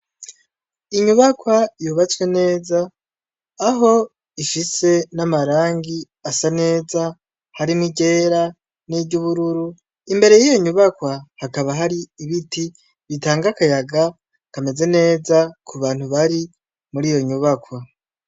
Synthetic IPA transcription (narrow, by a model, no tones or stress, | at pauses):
iɲuβakwajuːβat͡swe̞ne̞ːzaː | ɦo̞ | iʃise̞namaɾaːŋɡi | asane̞ːza | haɾimŋiɟe̞ːɾa | nibɟuβuɾuɾu | imbe̞ɾe̞jijo̞ɲuβakwahakaβaɦaɾiiβiti | βitaːŋɡakajaɡa | kame̞ze̞ne̞ːzakʰuβaːn̥huβaɾi | muɾijo̞ɲuβakwa